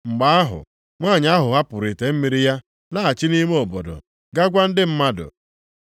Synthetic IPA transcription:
ŋ͡m̩˨ɡ͡ba˨˦a˦ɦʊ̰˨ | ŋʷaː˦˨ɲ˦a˦ɦʊ˨ɦa˦pʊ˨ɾi˨te˨m̩˦mi˦ɾi˦ja˦ | la˦˨a˨t͡ʃi˦ni˦me˦o˨bo̰˨do̰˨ | ɡa˦ɡʷa˦n̩˦dɪ˦m̩˦ma˦dʊ̰˨

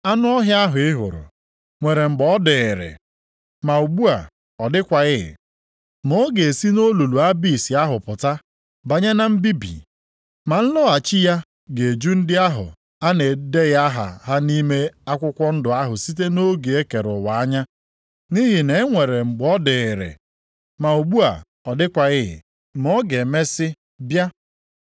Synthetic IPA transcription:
a˦nʊ˦ɔ˦ɦja˦a˦ɦʊ˨ɪ˦ɦʊ̰˨ɾʊ̰˨ | ŋʷe˨ɾe˨ŋ͡m̩˨ɡ͡bɔ˦dɪ˨ɾḛ˨ | ma˨u˨ɡ͡bu˦a˨ | ɔ˨dɪ˦kʷa˨ɣɪ˦ɪ̰˨ | mo˨˦ɡe˨e˨si˦no˦lu˨lu˨a˦bi˦˨si˨a˦ɦʊ˨pʊ˨ta˦ | ba˨ɲa˦na˦m̩˦bi˦bḭ˨ | ma˨n̩˦lʊ˦a˨t͡ʃi˦ja˦ | ɡe˨e˨d͡ʒu˦n̩˦dɪ˦a˦ɦʊ̰˨ | a˦ne˨de˦ɣa˦ɦa̰˨ɦa˦ni˦me˦a˦kʷʊ˦kʷɔ˦n̩˦dʊ˨a˦ɦʊ˨si˦te˦no˦ɡe˨e˦ke˨ɾʊ˨wa˨a˦ɲa˦ | ni˦ɦi˨ne˨˦ŋʷe˨ɾe˨ŋ͡m̩˨ɡ͡bɔ˦dɪ˨ɪ˨ɾḛ˨ | ma˨o˨ɡ͡bu˦a̰˨ | ɔ˨dɪ˦kʷa˨ɣɪ˦ɦɪ̰˨ | mo˦ɡe˨me˦sɪ˦ | bja˦

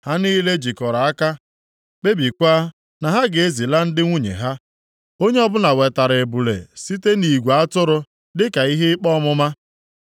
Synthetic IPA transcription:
ha˦niː˦le˦d͡ʒi˨kɔ˨ɾa˨a˦ka˦ | k͡pe˦bi˨kʷa˦ | na˨ɦa˦ɡe˨e˦zi˨la˦n̩˦dɪ˦ŋʷu˦ɲḛ˨ɦa˦ | o˦ɲe˦ɔ˦bʊ˦na˨we˨ta˨ɾe˨bu˨lḛ˨si˦te˦ni˨ɡʷa˦tʊ˦ɾʊ˦ | dɪ˦ka˨i˦ɦɪ˦ɪ˦k͡pɔ˦mʊ˦ma˦

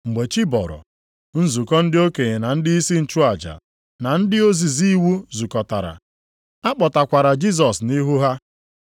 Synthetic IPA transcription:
ŋ͡m̩˨ɡ͡be˨t͡ʃi˦bɔ̰˨ɾɔ̰˨ | n̩˦zu˨kɔ˦n̩˦dɪ˦o˦ke˨ɲe˨na˨n̩˦dɪ˦i˦si˦n̩˨t͡ʃu˦a˨d͡ʒa̰˨ | na˨n̩˦dɪ˦o˦zi˨zi˦wu˦zu˨kɔ˨ta̰˨ɾa̰˨ | a˦k͡pɔ˨ta˨kʷa˨ɾa˨d͡ʒi˦s̬ɔ˨sni˦ɦu˦ɦa˦

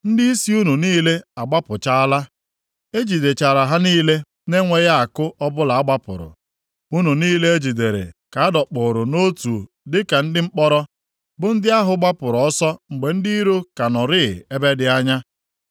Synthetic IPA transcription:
n̩˦dɪ˦i˦si˦u˦nu˨niː˦le˦a˨ɡ͡ba˦pʊ˨t͡ʃa˦a˦la˦ | e˦d͡ʒi˨de˨t͡ʃa˨ɾa˨ɦa˦niː˦le˦ | ne˦ŋʷe˨ɣa˦a˨kʊ˦ʔɔ˦bʊ˦la˨a˦ɡ͡ba˦pʊ̰˨ɾʊ̰˨ | u˦nu˨niː˦le˦e˦d͡ʒi˨de˨ɾḛ˨ka˨a˦dɔ˨k͡pʊ˨ɾʊ˨no˦tu˨ | dɪ˦ka˨n̩˦dɪ˦ŋ͡m̩˦k͡pɔ˦ɾɔ˦ | bʊ˨n̩˦dɪ˦a˦ɦʊ˨ɡ͡ba˦pʊ˨ɾɔ˨ɔ˦sɔ˦ŋ͡m̩˨ɡ͡be˨n̩˦di˦i˦ɾo˦ka˨nɔ˨ɾɪ˦˨e˦be˦dɪ˨a˦ɲa˦

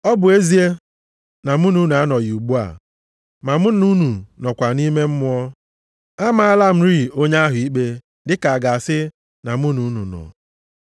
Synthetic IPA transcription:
ɔ˦bʊ˨e˦zi˦e˦ | na˨mu˦nu˦n˨a˦nɔ˨ju˨ɡ͡bu˦a̰˨ | ma˨mu˦nu˦nu˨nɔ˨kʷa˨ni˦me˦m̩˦mʊ˦ɔ˦ | a˦ma˨a˦la˦m̩˦ɾi˦˨o˦ɲ˦a˦ɦʊ˨i˦k͡pe˦ | dɪ˦ka˨a˨ɡa˨a˨sɪ˦ | na˨mu˦nu˨˦nṵ˨nɔ̰˨

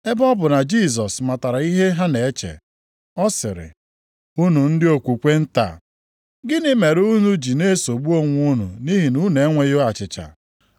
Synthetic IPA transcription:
e˦bɔ˦bʊ˨na˨d͡ʒi˦˨s̬ɔ˨sma˨ta˨ɾa˨i˦ɦe˦ɦa˦ne˨e˦t͡ʃḛ˨ | ɔ˦sɪ̰˨ɾɪ̰˨ | u˦nu˨n̩˦dɪ˦o˨kʷu˨kʷe˦n̩˦ta̰˨ | ɡɪ˦nɪ˦me˨ɾu˦nu˦d͡ʒi˨ne˦so˨ɡ͡bu˦o˦ŋʷ˦u˦nṵ˨ni˦ɦi˨nu˦ne˨˦ŋʷe˨jo˦a˨t͡ʃɪ˨t͡ʃa̰˨

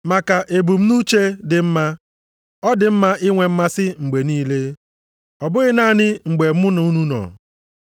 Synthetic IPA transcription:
ma˨ka˨ʔe˨bu˨m̩˦nu˦t͡ʃe˦dɪ˨m̩˦ma˦ | ɔ˦dɪ˨m̩˦ma˦ʔɪ˦ŋʷe˨m̩˦ma˦sɪ˦ŋ͡m̩˨ɡ͡be˨niː˦le˦ | ɔ˨bʊ˦ɣɪ˦naː˦˨nɪ˦ŋ͡m̩˨ɡ͡be˨m̩˦ʊ˦nʊ˨˦u˦nu˦nɔ̰˨

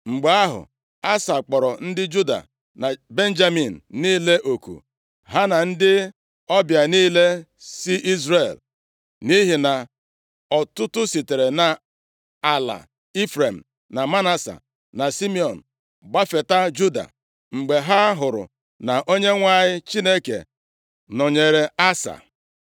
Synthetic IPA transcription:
ŋ͡m̩˨ɡ͡be˨a˦ɦʊ̰˨ | a˦sa˨k͡pɔ˨ɾɔ˨n̩˦dɪ˦d͡ʒu˦da̰˨ | na˨be˦n̩˦d͡ʒa˦mi˨n̩˨niː˦le˦ʔo˨kṵ˨ | ɦa˦na˨n̩˦dɪ˦ | ɔ˦bja˨niː˦le˦ | si˦ʔi˦zɾe˨l | ni˦ɦi˨na˨ | ɔ˨tʊ˦tʊ˦si˨te˨ɾe˨na˨ | a˨la̰˨ | i˦fɾe˨m̩˨ | na˨ma˦na˦sa̰˨ | na˨si˦mi˦˨ɔ˨n̩˨ | ɡ͡ba˦fe˨ta˦d͡ʒu˦da̰˨ | ŋ͡m̩˨ɡ͡be˨ɦa˦ɦʊ˨ɾʊ̰˨ | na˨ʔo˦ɲe˦ŋʷa˦ɲɪ˦t͡ʃi˦ne˦kḛ˨ | nɔ˨ɲe˨ɾe˨a˦sa̰˨

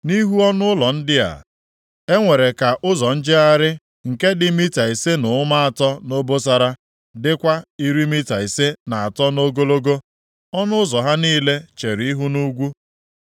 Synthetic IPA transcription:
ni˦ɦu˦ɔ˦nʊ˦ʊ˦lɔ˨n̩˦dɪ˦a̰˨ | e˦ŋʷe˨ɾe˨ka˨ʔʊ˦zɔ˨n̩˦d͡ʒɪ˦a˦ɾɪ˦ | ŋ̩˨ke˦dɪ˦mi˦ta˨i˨se˦nʊ˨˦ma˦a˨tɔ˦no˦bo˦s̬a˨ɾa˦ | dɪ˦kʷa˦i˦ɾi˦mi˦ta˨i˨se˦na˨a˨tɔ˦no˦ɡo˦lo˦ɡo˦ | ɔ˦nʊ˦ʊ˦zɔ˨ɦa˦niː˦le˦t͡ʃe˨ɾi˨i˦ɦu˦nu˦ɡʷu˦

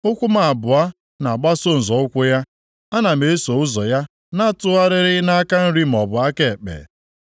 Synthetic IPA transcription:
ʊ˦kʷʊ˦ma˨a˨bʊ˨a˦ | na˨ɡ͡ba˦so˦˨n̩˨zɔ˨˦ʊ˦kʷʊ˦ja˦ | a˦na˨me˨e˦so˨ʊ˦zɔ˨ja˦ | na˦tʊ˦a˦ɾɪ˦ɾɪ˦na˦a˦ka˦n̩˦ɾi˦m̩˨ɔ˨bʊ˨a˦ke˨k͡pḛ˨

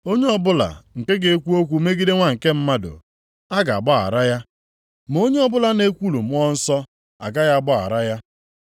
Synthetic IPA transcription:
o˦ɲe˦ɔ˦bʊ˦la̰˨ŋ̩˨ke˦ɡe˦kʷu˦o˦kʷu˨˦me˦ɡi˦de˦ŋʷa˦ŋ̩˨ke˦m̩˦ma˦dʊ̰˨ | a˦ɡa˨a̰˨ɡ͡bɔ˦a̰˨ɾa˦ja˦ | m˨o˦ɲe˦ɔ˦bʊ˦la˨ne˦kʷu˦lu˨m̩˦ɔ˦n̩˦sɔ˦ | a̰˨ɡa˦ja˦a˦bɔ˦˨a̰˨ɾa˦ja˦

